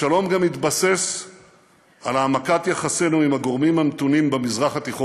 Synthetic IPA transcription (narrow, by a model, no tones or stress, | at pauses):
alo̞mɡamit̪base̞s | alaːmakat̪jaχase̞nuimaɡo̞ʁmimhamt̪unimbemizʁaχat̪iχo